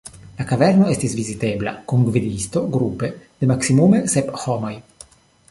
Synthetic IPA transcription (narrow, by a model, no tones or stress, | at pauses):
lakaveɾno̞est̪isvizit̪e̞bla̰kuŋɡvid̪ist̪o̞ɡɾupe̞d̪̥emaksimume̞sephomo̞j